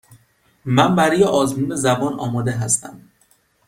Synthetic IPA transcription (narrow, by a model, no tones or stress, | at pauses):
mæmbæɾɒːjeʔɒːzmuːne̞zæbɒːnɒːmɒːd̪e̞ɦæst̪ʰæ̰m